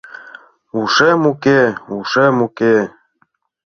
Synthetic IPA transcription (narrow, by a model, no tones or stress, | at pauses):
uʂɛmukeuʂɛmuke